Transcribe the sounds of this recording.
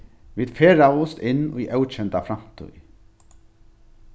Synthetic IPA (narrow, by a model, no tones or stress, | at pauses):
ʋiːd̪̥feːɹaʊst̪ɪnːiːʔawt͡ʃɛnt̪afɾam̥t̪ʰʉ̰ʏ